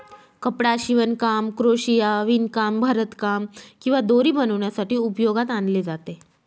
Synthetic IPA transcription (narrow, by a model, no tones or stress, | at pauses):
kəpɽaɕiʋənkamkɾoɕijaʋinkambʱaɾət̪kamkĩw̃ʋad̪oɾiːbənəʋɳjasaʈiːupjoɡat̪anled͡zat̪e